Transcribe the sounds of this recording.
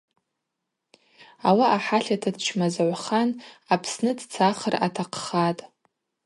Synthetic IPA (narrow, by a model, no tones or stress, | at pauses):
awaʔaħaɬatʰadt͡ʃʰmazʕʷχanapʰsnɨdt͡sʰaχəra̰tʰaqʰχatʼ